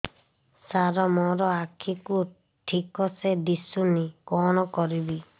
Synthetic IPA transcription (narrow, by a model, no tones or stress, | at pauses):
saɾɔmɔɾɔakʰiku | ʈʰikɔsed̪isunikɔnɔkɔɾibi